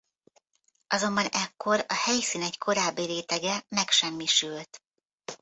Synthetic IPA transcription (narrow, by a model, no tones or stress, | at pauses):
ʔɒzo̞mbɒnɛkːo̞ɾɒhɛjsiːnɛckʰo̞ɾaːbːiɾeːt̪ɛɡɛmɛkʃɛmːiʃylt̪